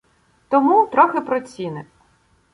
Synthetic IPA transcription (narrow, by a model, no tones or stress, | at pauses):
t̪ɔmut̪ɾɔxɪpɾɔt͡sʲinɪ